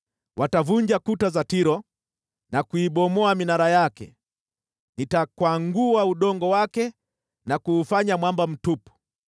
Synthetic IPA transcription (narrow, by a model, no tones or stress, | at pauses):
wʔatavuɲd͡ʒakutazatiɾɔ | nakuiɓɔmɔaminaɾajakɛ | nitakwaŋɡuauɗɔŋɡɔwakɛ | nakuːfaɲamwambam̩tupu̥